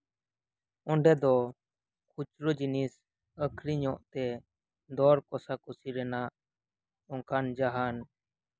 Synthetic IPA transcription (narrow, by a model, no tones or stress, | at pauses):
ɔɳɖɛd̪ɔ | kʰut͡ʃɾod͡ʒinis | əkʰɾiɲɔ̃ʔt̪ɛ | d̪ɔɾkɔsakusiɾɛnaʔ | ɔ̃ŋkʰand͡ʒaɦan